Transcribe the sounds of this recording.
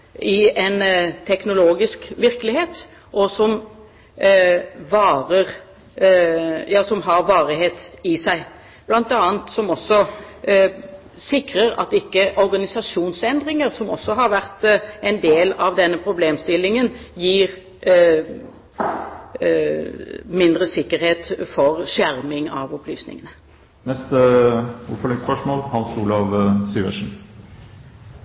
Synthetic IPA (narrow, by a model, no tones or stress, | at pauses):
ɪɛnt̪ʰɛknʊloːɡɪskʋɪɾkəlɪheːt̪ | ʔɔsɔm | ʋɑːʁəʁ | jɑːsɔmɦɑʁʋɑːʁɪheːt̪ɪsæɪ | b̥lɑnt̪ɑːənt̪sɔmɔsɔ | sɪkɾəɾɑ̰t̪ɪkːəʔɔɾɡɑnɪsɑʂuːnsɛnd̪ʁɪŋəʁsɔmɔ̰sːɔɦɑɾʋæʁt̪ɛɪnd̪eːlɑʋd̪ɛnːəpʰɾʊbleːmst̪ɪlːɪŋənjiːʁ | mɪnd̪ʁəsɪkːəɾheːt̪fɔʁʂæɾmɪŋɑ̰ʋɔplyːsnɪ̰ŋənə | nɛst̪əʊfɔlɪŋspœʂmoːlhɑnsuːlɑʋsyːʋə̰ʂɳ̩